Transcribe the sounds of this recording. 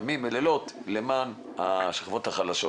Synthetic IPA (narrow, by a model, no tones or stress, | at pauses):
mimːelelo̞t̪leman | aʃḁχvo̞t̪haχalaʃo